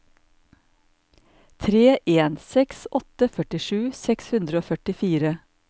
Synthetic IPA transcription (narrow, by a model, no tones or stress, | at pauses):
t̪ʰɾeːʔeːnsɛksɔt̪əfœʈɪʃʉːsɛkshʉnd̪ɾəoːfœʈɪfiːɾə